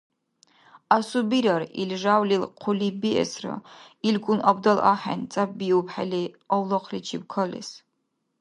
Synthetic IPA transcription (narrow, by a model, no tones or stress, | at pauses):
asubiɾɐrḭlʒaːwlilqʰʷʊlibiɛ̰srɐ̰ | ilɡʷʊnʔɐbdɐla̰ːħa̰nt͡sʼap̚biupħali | ɐwlɐqʰlit͡ʃʰip̚kʰɐlɨ̰s